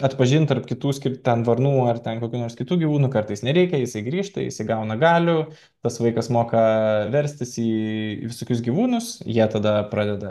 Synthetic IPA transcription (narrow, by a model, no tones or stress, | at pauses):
ɐt̪pɐʒʲɪnt̪ɐrpkʲɪt̪uːsʲkʲɪɾʲt̪ʲɛnʋɐrnuːɐrt̪ʲɛnkoːkʲuːnoːɾsʲkʲɪt̪uːɡʲiʋuːnuːkɐrt̪ɐɪsnʲɛɾʲɛɪkʲɛjɪsɐɪɡɾʲiːʃt̪ɐ̰jɪ̰sɐɪɡɐʊnɐɡɑːlʲʊ | t̪ɐsʋɐɪkɐsmoːkɐʋʲɛɾʲsʲt̪ʲɪsiːʋʲɪsoːkʲʊsɡʲiʋuːnʊsjiɛt̪ɐd̪ɐpɾɑːd̪ʲɛd̪ɐ